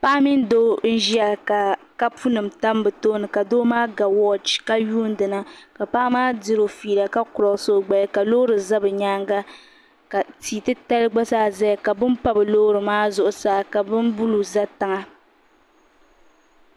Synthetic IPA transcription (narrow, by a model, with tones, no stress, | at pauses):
pa˦ʔmi˦n˦doː˦n̩˦ʒi˦a˨ka˨ | ka˦pu˦nɨ˨mta˦mbɨ˨toː˦nɨ˨ka˨doː˦maː˦ɡa˨wɔ˦d͡ʒka˦juː˦n˦dɨ˨na˦ka˨pa˦ʔmaː˦di˦ɾo˨fiː˨la˨ka˦kʊ˨ɾɔ˨so˦ɡ͡ba˨lɪ˦ka˨loː˦ɾɨ˨za˦bɨ˨ɲaː˦ŋɡa˦ | ka˨tiː˨tɨ˦ta˦lɨ˦ɡ͡ba˦saː˦zɛ˦˨ka˨bɨ˦mpa˦bɨ˨lo˦ɾɨ˨maː˦zʊ˦ʔʊ˨saː˨˦ka˨bɨ˦mbu˦lu˨za˦ta˨ŋa˦